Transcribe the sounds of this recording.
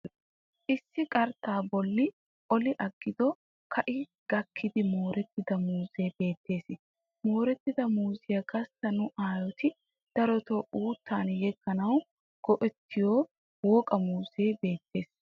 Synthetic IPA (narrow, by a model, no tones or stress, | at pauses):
ʔɪsːɪkʼɐɾt̪ʰːaːbɔlːɪ | ʔɔlɪʔɐɡːɪd̪ɔ | kʰɐʔɪ | ɡ̥ɐkʰːɪd̪ɪmoːɾɛt̪ːɪd̪ɐmuːzeːb̥e̞ːt̪ːe̞ːs | mo̞ːɾɛt̪ːɪd̪ɐmuːzɪjɐɡɐst̪ːɐnʊʔaːjɔt̪ɪ | d̪̥ɐɾɔt̪oʔuːt̪ːaːnjɛɡːɐnɐw | ɡ̥ɔʔɛt̪ːɪjoː | woːkʼɐmuːzeːbe̞ːt̪ːe̞ːs